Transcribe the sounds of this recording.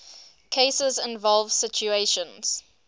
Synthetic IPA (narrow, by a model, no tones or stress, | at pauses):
kʰeɪsəzɪ̃nvɔlˠv̥sɪt͡ʃueʃə̃nz̥